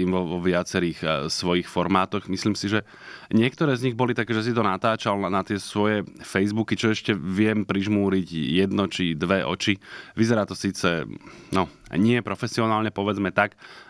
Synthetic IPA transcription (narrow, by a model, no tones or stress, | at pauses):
iːmʋɔʋɔʋɪat͡sɛɾiːxsʋɔjixfɔɾmaːt̪ɔɣmisliːmsiʒɛ | ɲɪɛk̚t̪ɔɾɛːzɲiɣbɔlit̪akɛːʒɛs̬it̪ɔnat̪aːt͡ʃalnat̪ɪɛsʋɔjɛfɛjzbukit͡ʃɔɛʃcɛʋɪɛmpɾiʒmuːɾiɟjɛd̪nɔt͡ʃid̪ʋɛʔɔ̰t͡ʃiʋizɛɾaːt̪ɔsiːt͡sɛnɔɲɪɛpɾɔfɛsiɔnaːlɲɛpɔʋɛd͡zmɛt̪ak